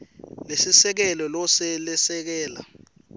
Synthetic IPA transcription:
lesisɛk̬ɛlɔlɔsɛlɛsɛk̬ɛːla̰

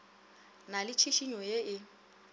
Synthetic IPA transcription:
nalɪt͡ʃʰiʃiɲɔjeɪ

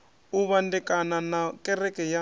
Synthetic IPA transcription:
uβandɛkʼananakʼɛrɛkɛja

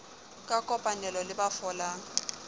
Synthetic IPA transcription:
kʼakʼɔpʼanɛlɔlɪbafɔla

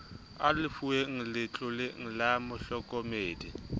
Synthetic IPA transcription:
alɪfueŋ̩lɪt͡ɬʼʊleŋ̩lamʊɬɔkʼɔmeːdi

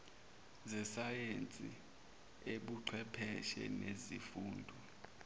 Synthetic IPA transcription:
zɛsajent͡sʼḭ | eɓuǀʰwɛpʰɛʃɛ̰nezifuːndʱu

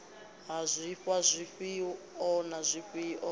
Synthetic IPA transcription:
ɦazʷiɸazʷiɸi | ɔnazʷiɸiʔɔ

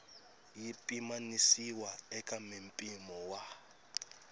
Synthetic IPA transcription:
jipʼimanisiwaɛkʼamem̩pʼimɔwa

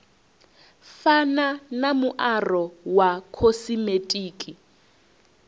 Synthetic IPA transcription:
fananamʊʔarɔwakʰosimetʼiːkʼi

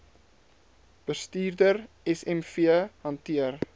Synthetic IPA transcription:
b̥əstiːrdər | ɛsɛmfiəhɐntiər

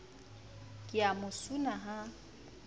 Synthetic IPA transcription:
kʼɪamʊsunaɦa

